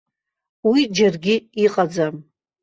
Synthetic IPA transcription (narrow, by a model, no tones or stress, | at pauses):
wid͡ʒarɡʲɪiqʼad͡zam